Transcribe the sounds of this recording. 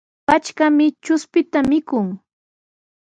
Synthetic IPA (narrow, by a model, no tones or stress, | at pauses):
pat͡ʃkamɪt͡ʃʊspɪt̪amɪkʊŋ